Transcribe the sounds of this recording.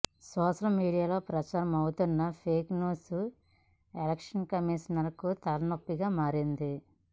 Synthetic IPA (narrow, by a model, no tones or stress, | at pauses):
sɔːʂɐlmiːɽijaːlo̞ːpɾɐt͡ʃaːɾɐmɐwut̪unːɐpʰeːknuːsu | elɐkʂɐnkɐmiʃɐnɐɾɐkut̪ɐlɐnopːiɡaːmaːɾind̪i